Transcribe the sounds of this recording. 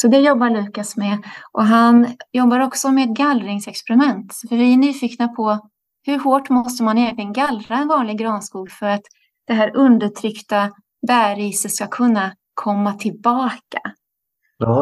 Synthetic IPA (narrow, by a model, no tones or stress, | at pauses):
sɔd̪ɛjɔbːaɭʉ̟ːkasmɛʔɔɦanjɔbːaɾɔksɔmɛːd̪̚ɡalːɾɪŋsɛkspɛɾɪmɛnt̪fœɾvɪɛnyːfiːknapʰɔ | hɵɾɦoːʈmɔst̪əmanɛjɛnlɪɡənɡalːɾaɛnvɑːnlɪɡɾɑːnskuːɡfœɾat̪ | d̪̥ɛɦæːɾɵnd̪əʈʰɾʏkt̪a | bæːɾiːsət̪skakʰɵnːa | kʰɔmːat̪ʰɪlbɑːka